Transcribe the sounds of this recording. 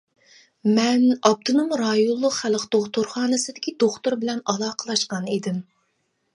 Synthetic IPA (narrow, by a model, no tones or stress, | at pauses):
mɛnɑp̚t̪ʰɨnumɾɑjolˠːʊqχælˠqt̪oχt̪ʊɾχɑːnɨsɨd̪ɪkʲʰid̪oχt̪uɾbɪlɛnɑlˠɑːqʰəlˠɑʃqɑnid̪ɪm